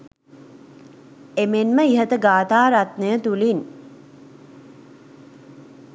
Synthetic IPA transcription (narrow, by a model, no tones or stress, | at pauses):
emenməiɦət̪əɡaːt̪aːɾat̪nəjət̪ulin